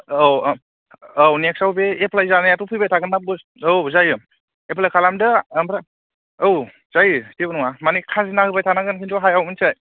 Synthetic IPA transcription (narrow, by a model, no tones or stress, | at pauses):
awnek̚sawbeepʰlajzanajatupʰɯjbajtʰaɡɯnːap̚ɡɯs | owzajɯ | epʰlajkʰalamdɯmpɾa | ow | z̥ajɯtebɯnuŋamanikʰazinahɯbajtʰanaɡɯnkʰintʰuɦajawmɯnsaj